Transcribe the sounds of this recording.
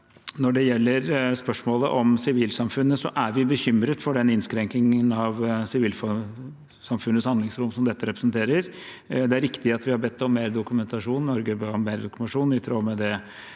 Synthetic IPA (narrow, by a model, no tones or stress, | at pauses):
nɔɖɛjɛlːəɾspœʂmoːlə̰ʔɔmsɪʋiːlsɑmfʉnːəsɔ̰ʔæɾʋɪbəçʏmɾət̪fɔɖɛnɪnskɾɛŋknɪŋənɑʋsɪʋiːlf | sɑmfʉnːəshɑnd̪lɪŋsɾʊmsɔmd̪ɛt̪ːəɾɛpɾəsənt̪ʰeːɾəɾ | d̪ɛæɾɪkt̪ɪɑt̪ʋɪhɑɾbɛt̪ʰːɔmːeːɾd̪ʊkʉmɛnt̪ɑʂuːnːɔɾɡəbəɔmːeːɾd̪ʊkʉmt̪ɑʂuːnɪt̪ʰɾoːmɛd̪ɛ